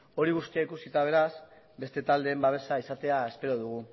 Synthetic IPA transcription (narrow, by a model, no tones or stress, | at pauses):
o̞ɾiɣust̪iaikusit̪aβe̞ɾas | be̞st̪e̞t̪ald̪e̞ːmbaβ̞e̞saisat̪e̞ae̞spe̞ɾo̞ðuɣ̞u